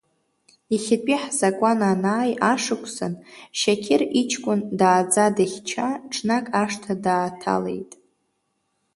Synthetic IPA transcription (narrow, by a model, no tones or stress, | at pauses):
iχʲɪpʼiħzakʷʼananaːjaʂɨkʷʰʼsa̰nʃakʲʰɪrit͡ʃʰkʷʼʊndaːd͡zadaχʲt͡ʃʰaʈ͡ʂʰnakʼaʂtʰadaːtʰa̰le̞̰jtʼ